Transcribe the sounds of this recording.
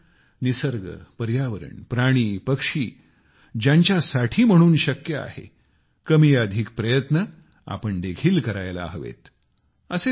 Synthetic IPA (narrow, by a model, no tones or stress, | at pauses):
nisəɾɡə̰pəɾjaʋəɾə̰ɳpɾaɽ̃iːpəkʂiː | d͡ʑjaɲt͡ɕjasaʈʰiːm̤əɽ̃uːnɕəkjəa̰hḛ | kəmiːəd̪ʱiːk̚pɾəjət̪nə | a̰pəɳd̪eɡʰiːlkəɾajla̰ɦəʋḛt̪ | əse